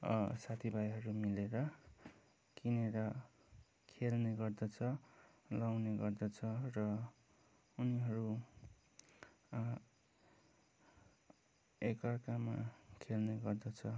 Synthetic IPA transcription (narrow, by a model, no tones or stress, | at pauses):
ʌsat̪ʰibʱajɦʌɾumileɾʌ | kineɾʌ | kʰelneɡʌrd̪ʌt͡sʰʌ | lawneɡʌrd̪ʌt͡sʰʌrʌ | uniɦʌɾu | ekʌrkama̰kʰelneɡʌrd̪ʌt͡sʰʌ